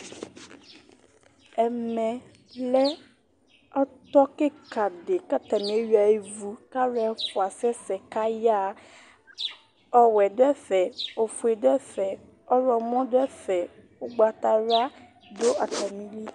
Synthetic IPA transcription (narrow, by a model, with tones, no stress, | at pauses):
ɛ˨mɛ̃˨ | lɛ˦ | ɔ˦t̪ɔ˦ke˦ka˨ɖe˨ka˦t̪a˨mĩ˨˦e˦ɥi˦a˨je˦vu˦ka˦ɾɛ˦fo˨a˨sɛ˦sɛ˨ka˦ja˦ | ɔ˦wɛ˨ɖɛ˦fɛ˨o˨fu˨e˨ɖɛ˦fɛ˨ | ɔ˦ɾɔ˨mɔ̃˦ɖɛ˦fɛ˨wo˦ɡ͡ba˨t̪a˨ɾa˦ | do˦ʔa˨t̪a˨mĩ˦li˦